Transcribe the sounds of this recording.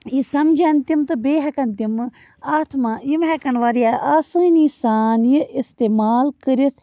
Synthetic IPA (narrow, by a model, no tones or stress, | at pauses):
isɐmd͡ʒant̪imt̪ɨbeːɦɐkɐnt̪im | aːt̪ʰmajimɦɛkɐnʋaːɾijaʔaːsɨnisaːnjiʔist̪eːmaːlkəɾit̪ʰ